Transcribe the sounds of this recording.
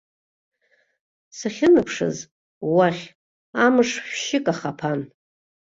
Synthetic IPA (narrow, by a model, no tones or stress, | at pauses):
saχʲɪnɨpʰʂɨ̰z | waχʲ | amɨʂχʷʃɪkʼaχapʰan